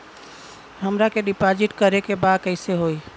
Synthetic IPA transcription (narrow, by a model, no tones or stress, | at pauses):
ɦəmɾakeɖipad͡ʒiʈkəɾekebad̪kəɪseɦoi